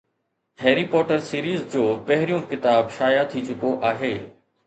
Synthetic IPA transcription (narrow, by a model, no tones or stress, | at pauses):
ɦeːɾipɔːʈəɾsiːɾiːzd͡ʑoːpɐɦɪɾijũkɪt̪aːbʃaːjat̪ʰit͡ɕʊkoʔaːɦeː